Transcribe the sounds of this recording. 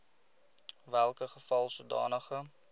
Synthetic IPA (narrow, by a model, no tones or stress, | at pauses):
vɛlˠkəχəfɑlˠsudɑ̰ːnəχə